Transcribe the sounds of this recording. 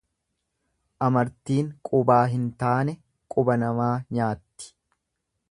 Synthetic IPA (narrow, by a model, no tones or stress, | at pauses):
ʔɐmɐɾt̪iːŋkʼʊbaːɦɪnt̪aːnɛ | kʼʊbɐnɐmaːɲaːt̪ːɪ̥